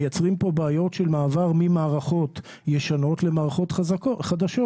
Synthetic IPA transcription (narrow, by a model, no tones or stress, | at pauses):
jat͡sʁimpo̞baajo̞tʃelmaːvaʁmimaːʁaχo̞t̪ | jeʃano̞t̪lemaːʁaχo̞t̪χaχad̪aʃo